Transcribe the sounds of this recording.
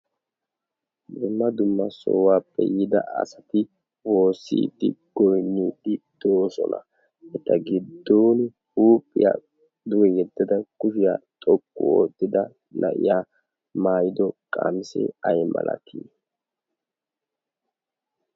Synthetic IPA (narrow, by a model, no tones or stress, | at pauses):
d̪ʊmːɐd̪ʊmːɐsɔ̰ːwaːpʼːɛ̰jɪd̪ɐ̰ʔɐ̰sɐt̪ɪ | wo̞ːsːḭːd̪ːɪ̰ɡ̥ɔjnːiːd̪ɪd̪̥o̞ːsɔ̰nɐ̰ | ɛt̪ːɐɡɪd̪ːoːn | huːpʼːɪja̰ː | d̪ʊwɛjɛd̪ːɐd̪ɐkʊʃɪja̰ːt̪ʼɔkʼːʊo̰ːt̪ːɪd̪ɐ | nɐ̰ʔɪ̰jaː | maːjɪd̪ɔkʼa̰ːmɪsɛ̰ɐjmɐ̰lʔɐ̰kʰiː